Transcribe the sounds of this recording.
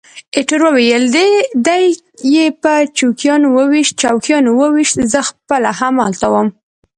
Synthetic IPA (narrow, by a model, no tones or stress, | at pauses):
eʈəɾwəwejəld̪ed̪aj | jepət͡ʃukjɑnowəwiʃt̪̚t͡ʃɑwkjɑnowəwiʃt̪zəxpəlahamɑlt̪awəm